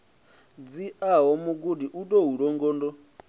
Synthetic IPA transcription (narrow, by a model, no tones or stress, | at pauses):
d͡ziaɦɔmuɡudiʔutɔɦuɺɔŋɡɔːndɔ